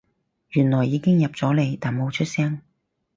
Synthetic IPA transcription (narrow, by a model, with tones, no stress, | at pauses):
jyː˨˩nlɔː˨˩jːiː˨˧kɪ˥ŋjɐ˨p̚t͡sɔː˨˥le˨˧jt̪aː˨˩nmo˨˧wt͡ʃʰɵ˥t̚sɛː˥ŋ